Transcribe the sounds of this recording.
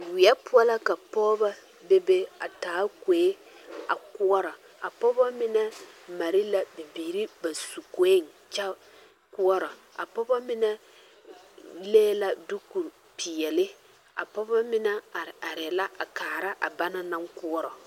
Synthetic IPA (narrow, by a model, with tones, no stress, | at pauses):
wɪ˨ɛ˦pʊ˦ɔ˦la˦ka˨pɔː˦ba˦ | be˦be˦a̰˨taː˨˦ke˨e˦ | a̰˨ku˦ɔ˦ɾɔ˨ | a˨pɔ˦ba˦mɪ˦nɛ˦ma˨ɾɪ˦la˦bi˨biː˨ɾi˦ba˨su˨ko˦e˦˨ŋ | t͡ʃa˦ | ku˦ɔ˦ɾɔ˨a̰˨pɔ˦ba˦mɪ˦nɛ˦ | leː˦la˦dʊ˦ku˨ | pɪ˨ɛ˨lɪ˦ | a̰˨pɔ˦ba˦mɪ˦nɛ˦˨a˨ɾɛ˨la˦ʔa˨kaː˨ɾa˦ʔa̰˨ba˦na˦nã˦ŋku˦ɔ˦ɾɔ˨